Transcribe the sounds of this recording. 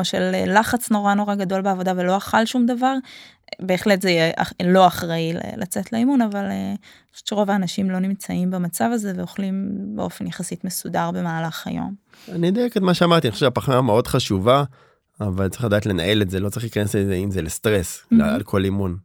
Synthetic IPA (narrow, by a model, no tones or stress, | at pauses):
oʃelːaχat͡sno̞ʁano̞ʁaɡado̞lbeavo̞dave̞lo̞aχalʃumdavaʁ | be̞ːχletzejeʔa̰lo̞aχʁailḛlat͡setleimunavale | o̥ʃu̥tʃeʁo̞vaːnaʃimlo̞nimt͡saʔimbamat͡savaze̞veoχlimbeo̞fenjaχasitme̞sudaʁbe̞maːlaχa̰jo̞̰m | aniod̪ojeketmaʃeamaʁt̪ianio̥ʃu̥ʃapaχnameo̞dχaʃuva | avaltt͡saʁiladaːt̪le̞nae̞letzelo̞t͡saʁiχlikanesezeimzelest̪ʁesa̰lkʰo̞limun